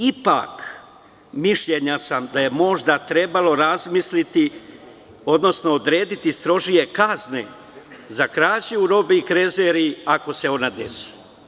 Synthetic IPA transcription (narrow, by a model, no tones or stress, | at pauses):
ipa̰k | miʃʎeɲasamd̪aje̞mo̞ʒd̪at̪ɾe̞balˠo̞ɾazmislit̪i | o̞d̪no̞sno̞ːd̪ɾe̞ːd̪it̪ist̪ɾo̞ʒije̞kaznḛ | zakɾaːt͡ɕiuɾo̞biikɾe̞zeɾiako̞se̞o̞nad̪e̞̰si̥